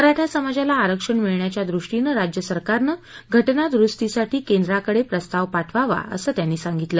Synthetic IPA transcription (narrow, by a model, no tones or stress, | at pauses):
əɾaʈʰjasəmad͡ʑalaːɾəkʂəɳmiɭɳjat͡ɕjad̪ɾuʂʈinəɾad͡ʑjəsəɾkaɾnəɡʱəʈnad̪ɾust̪isaʈʰiːkend̪ɾakəɽepɾəst̪aʋpaʈʰʋaʋa̰ə̰səːt̪janːiːsaŋɡit̪ləː